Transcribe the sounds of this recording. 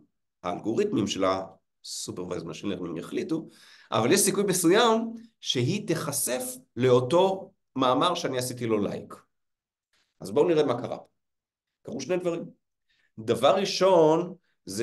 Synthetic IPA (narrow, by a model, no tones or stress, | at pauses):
ha̰ːlɡo̞ʁit̪mimʃela̰ | supeʁva̰jzmʃeneʁmimjeχlitu | ʔa̰valjeʃsikujbesujamʃeɦit̪eχase̞fle̞oto̞ | maːmaʁʃeaniasitilo̞la̰jk | ʔazbouniʁemakaʁa̰po̥ | kaʁuʃne̞jd̪vaʁim | davaʁːiʃo̞n | z